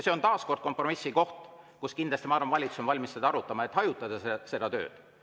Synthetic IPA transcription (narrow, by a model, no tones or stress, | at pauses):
se̞o̞nt̪ɑːsko̞rd̪̥̚ko̞mpro̞misːiko̞ht̪kuskinlɑst̪imɑːɾɑmvɑlʲit̪susomvɑlʲmised̪̥ɑɑɾut̪ːˑɑmɑe̞t̪hɑjut̪ːˑɑd̪̥ɑese̞d̪̥ɑt̪ø̰ːd̪̥